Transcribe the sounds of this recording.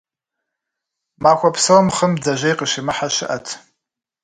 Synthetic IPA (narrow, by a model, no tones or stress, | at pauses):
maːxʷɐpʰsɐwɐmχəmd͡zɐʒʷejqəʃimɨħaʃɪʔɐtʰ